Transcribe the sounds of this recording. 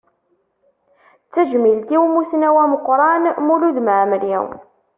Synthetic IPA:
t͡sːæʒmilt̪iwmusnæwæməqːɾˤɑnmuluðməʕmɾḭw

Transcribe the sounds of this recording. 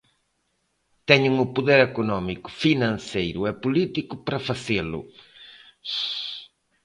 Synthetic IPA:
t̪ɛɲʊŋʊpoðeɾekonɔmikʊ̥finɐ̃nsejɾʊɛpolit̪ikʊpɾɐfaselʊ̰

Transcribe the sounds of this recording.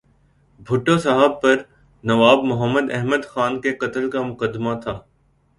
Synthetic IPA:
bʱʊʈːosɐɦəb̚pɐɾ | nɐʋaːbmʊɦəmːəd̪ɛɦməd̪xaːnkeqɐt̪əlkamʊqəd̪ːmat̪ʰaː

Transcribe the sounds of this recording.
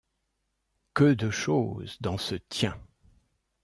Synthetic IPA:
kəd̪əʃo̰zd̪ɑ̃sət̪jɛ̃

